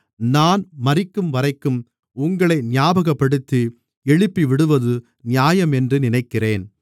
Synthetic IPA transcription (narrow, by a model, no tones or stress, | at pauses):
naːnmɐrɪkːɯmʋɐɾɐɪkːɯm | ʊŋɡɐɭɐɪnɪjaːbɐɣɐpːɐɽɯt̪ːi | ɛɻɪpːiʋɪɽɯʋɐðɯ | nɪjaːjɐmɛndrɯnɪnɐɪkːɪreːn